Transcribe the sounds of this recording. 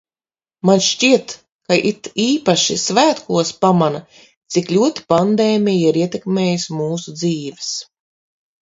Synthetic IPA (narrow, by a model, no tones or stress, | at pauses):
manʃt͡ʃiɛt̪ | kaʔit̪iːpaʃisvæːt̪kuɔspamana | t̪siklʲuɔt̪i̥pand̪eːmʲijiɾiɛt̪ɛkmʲeːjismuːsud̪ziːvɛs